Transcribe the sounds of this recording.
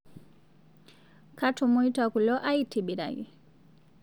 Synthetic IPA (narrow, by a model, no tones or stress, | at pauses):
kʰatʰumujtɔkulɔʔajtʰibiɾa̰ɡḭ